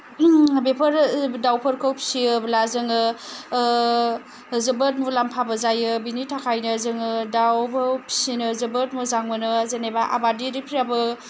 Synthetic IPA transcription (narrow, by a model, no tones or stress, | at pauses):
bepʰəɾdawpʰəɾkʰowpʰi̥siɯblazɯŋɯ | zɯbət̚mulampʰabəzajɯbinitʰakʰajnɯzɯŋɯdawpʰapʰi̥sinɯzɯbət̚muzaŋmɯnɯzenebaʔa̰badiɾipʰɾabɯ